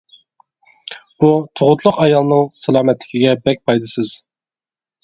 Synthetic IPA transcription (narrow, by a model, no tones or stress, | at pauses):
b̥ut̪ʰoʁʊt̪ʰlˠʊqɑjɑlˠnɨŋsælˠɑːmɛt̪lɪ̥kʲiɡʲɛbɛk̚ʲpʰɑjd̪ɨsɨz̥